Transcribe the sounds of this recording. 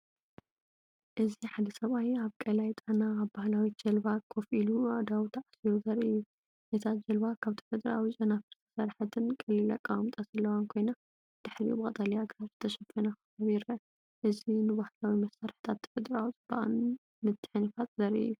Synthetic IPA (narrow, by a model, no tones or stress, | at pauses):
ʔɨziħad̪ɐsɐβajaβkʼɐlajt̪ʼɐnaːβbahlawid͡ʒ̥ɐlbakʰofiluad̪awt̪ʰaʕasiɾuzɐɾɨjːu | ʔet̪ʰad͡ʒɐlbakʰaβt̪ʰi̥fɛd̪ɐɾa̰wit͡ʃʼɐnafɨɾt̪ʰɐ̥sɐɾħat̪ʰɨnkʼɐlila̰kʼːawmt̪ʼazɐlːɐwankʰo̞jna | d̪̥ɨħɾibɨkʼɐt̪ʼalijaɡɾat̪zɨt̪ʰɐʃɐfɐnaxɐβaβjɪɾɐ | ʔɨzinɨbahlawimɐsːaɾħɨ̥t̪ʰat̪t̪ːʰɐ̥fɛd̪ɾawit͡sʼɨba̰ʔa̰n | mɨt̪ʰːɨ̥ħɨnifat̪ʼzɐɾḭju